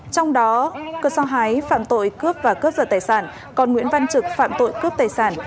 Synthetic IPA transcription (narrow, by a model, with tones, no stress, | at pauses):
t͡ɕɔ˧wŋ͡mɗɔ˨˦kɨ˨˩sɔ˧ɦa˨˦jfa̰ː˧˨mt̪o̰˧˨jkɨ˦˥əp̚vaː˨˩kəː˦˥p̚zəː˧˩t̪aː˨˩jsaː˧˩n | kɔ˨˩nŋw̰i˧˥ənva˧nt͡ɕɨ˨˩k̚fa̰ː˧˨mt̪o̰˧˨jkɨ˦˥əp̚t̪aː˨˩jsaː˧˩n